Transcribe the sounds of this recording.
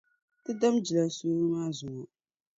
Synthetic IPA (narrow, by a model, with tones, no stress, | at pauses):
tɨ˦da˦md͡ʒi˨la˨suː˦ɾɨ˦maː˦zʊ˨ʔʊ˨